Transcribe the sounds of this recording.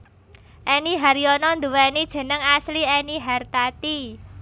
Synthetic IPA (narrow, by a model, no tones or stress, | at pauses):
ʔɛniɦaɾjɔnɔnd̪ṳwɛnid̥ʒ̥ə̤nəŋasliɛniɦart̪at̪i